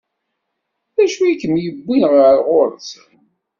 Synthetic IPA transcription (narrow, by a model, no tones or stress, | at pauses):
ðæʃuikːəmjəbːinʁəɾʁoɾθ